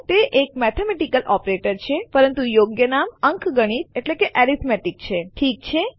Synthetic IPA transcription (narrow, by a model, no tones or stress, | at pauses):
t̪eʔek̚mɛt̪ʰemeʈikəlʔɔpɾeʈəɾt͡ʃʰepəɾənt̪ujoɡjənaməŋkʰɡəɽ̃it̪̚eʈlekeʔɛɾit̪mɛʈik̚t͡ʃʰeʈʰik̚t͡ʃʰe